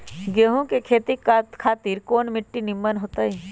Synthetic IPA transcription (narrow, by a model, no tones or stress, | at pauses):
ɡeːɦõkekʰeːt̪ikːkʰaːt̪iːɾkoːnmɪʈːinɪmːənɦoːt̪aːiː